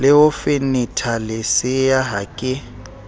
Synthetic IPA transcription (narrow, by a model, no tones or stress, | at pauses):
lɪʊfɪnɪtʰalɪsɪjaɦakʼɪ